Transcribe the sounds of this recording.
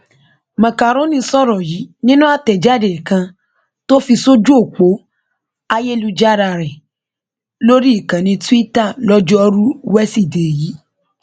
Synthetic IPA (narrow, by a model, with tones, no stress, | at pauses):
mã˨ka˨ɾ̃õ˦nĩ˧sɔ˦˨ɾɔ˨ji˨˦nĩ˦nũ˦a˦˨tɛ˨d͡ʒa˦˨de˨kã˧ | to˦fi˧so˦d͡ʒu˦o˦˨k͡po˨˦ | a˧je˦lu˧d͡ʒa˦ɾa˧˨ɾɛ˨ | lo˦ɾi˦i˦˨kã˨nĩ˧tũ˦i˦ta˦˨lɔ˦d͡ʒɔ˦ɔ˧ɾu˦wɛ˦si˦˨de˨ji˨˦